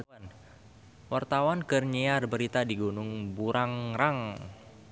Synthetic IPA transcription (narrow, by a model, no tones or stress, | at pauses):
n | wart̪awankərɲearbəɾit̪adiɡunʊŋbuɾʔaŋraŋ